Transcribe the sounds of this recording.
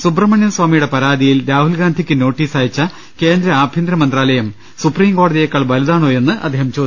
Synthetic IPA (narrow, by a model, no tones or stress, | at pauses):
subrɐmɐɳjɐnswaːmijuɽe̞pɐɾaːd̪ijilɾaːhulɡaːnd̪ʱikʲːɨno̞ːʈːiːsaːjit͡ɕːɐ | ke̞ːnd̪ɾɐaːbʱjɐnd̪ɾɐmɐnd̪raːlɐjɐm | supriːmko̞ːɽɐðijekːɐɭʋɐlɐðaːɳo̞ːje̞nːɨʔɐ̰d̪ʱːeːɦɐmt͡ɕoː